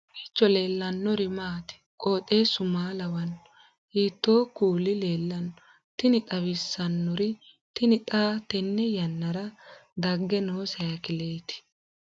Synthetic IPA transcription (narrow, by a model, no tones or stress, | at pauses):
bi̥ːt͡ʃːɔle̞ːlːɐnːɔɾɪmaːt̪ɪ̥kʼo̞ːt̪ʼːe̞ːsʊmaːlɐwɐn | hiːt̪ːoːkuːlɪleːlːɐnːɔ | t̪ɪnɪt̪ʼɐwɪsːɐnːɔɾɪ | t̪ɪnɪt̪ʼaːt̪ɛnːɛjɐnːɐɾɐd̪ɐɡːɛnoːsɐjɐkɪleːt̪ɪ̥